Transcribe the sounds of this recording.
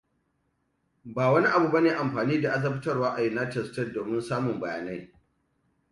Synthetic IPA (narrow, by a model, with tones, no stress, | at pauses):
baː˨wɐ˦ni˦ʔa˨bu˨bɐ˦neː˨ʔa˨mɸaː˨niː˦da˨ʔa˦z̬ɐ˦bɪ˦tɐ˦rwaː˦ʔa˨jɪ˨naː˦t͡ʃɛ˨stɐ˦rdoː˨mɪ˦nsaː˦mʊ˨mbɐ˨ja̰ː˨na˦j